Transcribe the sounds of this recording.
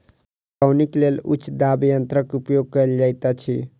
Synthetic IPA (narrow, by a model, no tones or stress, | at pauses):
təwniklelṵt͡ʃːd̪abjənt̪ɾəkeupjoɡ̚kəeld͡ʒajt̪at͡ʃʰi